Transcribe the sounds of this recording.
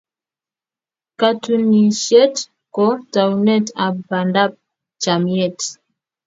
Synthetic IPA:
ka˨tu˨ni˨ʃɛ˦t | kɔ˦ta˨u˨nɛ˦ta˨ba˨nda˦p̚ | t͡ʃa˨mi˨ɛ˦˨t

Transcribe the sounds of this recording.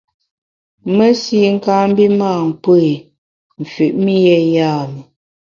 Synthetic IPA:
mə˦si˦ŋ̩˦kaː˦m̩˦bi˦maː˦˨m˨pe˦e˨ | m̩˨fʉ˨ʔmi˦jɛ˦jaː˦˨mə˨

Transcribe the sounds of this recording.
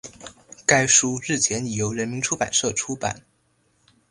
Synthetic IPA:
ka˥ɪʂu˥ɻɻ̩˥˩t͡ɕʰjɛ˧˥ni˨˩jo˧˥ʊɻə˧˥nmi˧˥ŋʈ͡ʂʰu˥pa̰˨˩nʂɤ˥˩ʈ͡ʂʰu˥pa̰˨˩˦n

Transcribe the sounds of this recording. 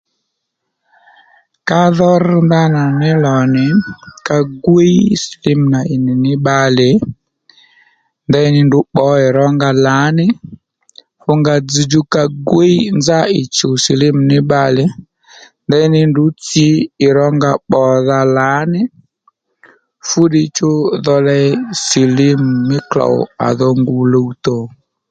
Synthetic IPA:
ka˦ðɔ˦r̩˦nda˦na˨nɪ˦lɔ˨nɪ˨ka˦ɡwe˦i˦sli˦m̩˨na˨ɪ˨nɪ˨nɪ˦ɓa˦lɪ˨˦ | nda˦i˦nɪ˦ndʊ˨˦ɓɔ˨˦ɪ˨ɾɔ˦ŋɡa˧la˨˦nɪ˦ | fʊ˦ŋɡa˧d͡zi˨d͡ʒu˦ka˧ɡwe˦i˦nza˦ɪ˨t͡ʃʊ˨si˨lɪ˦m̩˨nɪ˦ɓa˧lɪ˨˦ | nda˦i˦nɪ˦ndʊ˨˦t͡si˨˦ɪ˨ɾɔ˦ŋɡa˨ɓɔ˨ða˧la˨˦nɪ˦ | fʊ˦ɗɪ˧t͡ʃʊ˦ðɔ˧lɛ˦si˨lɪ˦m̩˨mɪ˦kla̰˨a̰˨ðɔ˧ŋɡʊ˨lo˦u˦to˨

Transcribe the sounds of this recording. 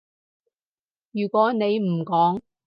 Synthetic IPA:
jyː˨˩kwɔː˨˥ne˨˧jm̩˨˩kɔː˨˥ŋ

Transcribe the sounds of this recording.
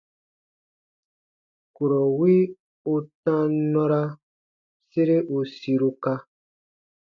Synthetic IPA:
ku˨ɾɔ˨wi˦ | u˧tã˦nɔ̃˦ɾa˦ | se˦ɾe˦ʔu˧si˧ɾu˧ka˧

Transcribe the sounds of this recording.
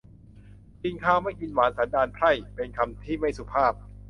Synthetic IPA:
ti˧ŋkʰaː˥˩wma˥˩jki˧nwaː˩˦nsa˩˦ndaː˧npʰɾa˥˩jpe˧nkʰa˧mt̪ʰiː˥˩ma˥˩jsu˨˩pʰaː˥˩p̚

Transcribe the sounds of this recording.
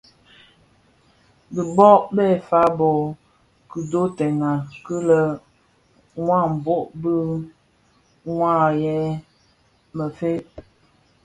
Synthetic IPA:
bi˨bɔ˦ʔbɛ˦˨fa˦bo˨ | kɨ˨do˦tɛ˨na˨kə˦lə˦ | wa˦˨m̩˨bo˦ʔbə˦ | wã˦˨jɛ˦ | mə˨fe˦

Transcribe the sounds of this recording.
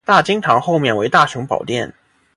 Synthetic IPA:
t̪a˥˩t͡ɕi˥ŋʈ͡ʂʰɑ˧˥ŋxo˥˧ʊmjɛ˥˩nwe˧˥ɪt̪a˥˩ɕi˧˥ŋpɑ̰˨˩ʊt̪jɛ˥˩n

